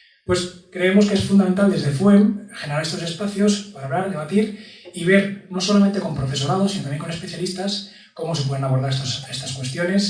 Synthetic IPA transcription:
pwe̞skɾe̞emo̞skeesfund̪ament̪ald̪e̞zðe̞fwemxeneɾaɾe̞st̪o̞se̞spaθjo̞spaɾaːβlaɾðe̞β̞at̪iɾiβ̞e̞ɾno̞so̞lament̪eko̞mpɾo̞fe̞so̞ɾað̞osinot̪amjeŋkone̞spe̞θjalist̪as | ko̞mo̞s̬ep̬we̞ð̞enaβ̞o̞ɾð̞aɾest̪ose̞st̪askwe̞st̪jo̞ne̞s

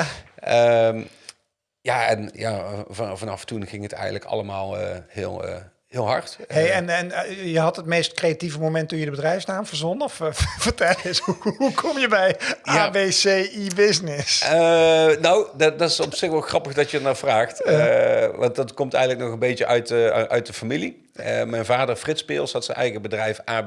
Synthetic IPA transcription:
əm | jaɛnjavɑnɑ̰ftunɣɪŋɦətɛ̰jɣə̰nələkɑ̰ləmaːlˠəhɪ̰ːlˠə̰ | ɦɪːlˠɦɑ̰ɹtɦejɛnɛnjəɦɑtɦətmejstkrejativəmomɛntujədəbədrɛjfsnaːmvəɹzɔnɔfv̥əɹtɛləsuukʰɔmjəbɛjaːbesejibɪsnɪsənowddɑtɪsɔpsɪxʋɛlˠxrɑpəɣdɑtjəɹnaːɹvraːxt | ʋɑ̰ntɑtkɔmtɛ̰jɣənləknɔχənbejtəʔœɥtʔœ̰ɥt̚dəfamili | əmɛjnvaːdəɹfrɪtspɪ̰ːlˠshɑtsənʔɛ̰jɣəbədrɛjfaː

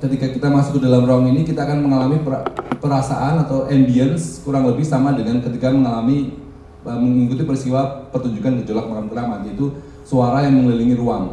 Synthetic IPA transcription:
kət̪ikakit̪amasʊ̥kːədalamruaŋinikit̪aːkanməŋalamipəpəɾasaʔanat̪awʔɛnbiənskuɾaŋləbɪhsamadəŋankət̪ikaməŋalami | əməŋikut̪ipərist̪iwapərt̪uɲd͡ʒukankəd͡ʒolak̚makamɡəɾamant̪iːt̪u | suaɾajaŋməŋələliŋiɾuaŋ

